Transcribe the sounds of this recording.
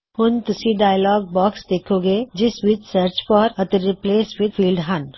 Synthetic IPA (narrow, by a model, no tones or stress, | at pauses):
hʊnt̪ʊsiɖaːɪjlɔːɡ̚bɔːksd̪eːkʰõɡed͡ʒɪswit͡ʃsəɾt͡ʃfɔːɾɐt̪əɾɾɪpleːswɪd̪fʰiːlɖɦɐ̃n